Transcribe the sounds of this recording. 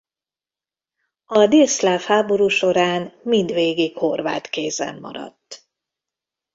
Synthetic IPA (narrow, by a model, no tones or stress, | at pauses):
ɒd̪eːslaːfhaːbo̞ɾuːʃo̞ɾaːnmind̪ʋeːɡikho̞rva̰ːt̪keːzɛ̰mːɒ̰ɾɒ̰t̪ː